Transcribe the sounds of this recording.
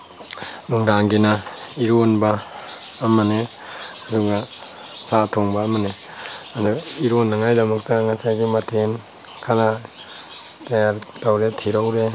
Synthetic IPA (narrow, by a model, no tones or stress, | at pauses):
nuŋdaŋɡinaiɾonbaː | mane | aduɡa | satʰoŋbaːmane | aduiɾonːaŋajdɐmɐk̚taŋasajɡimatʰen | kʰana | tajaɾtawɾetʰiɾawɾe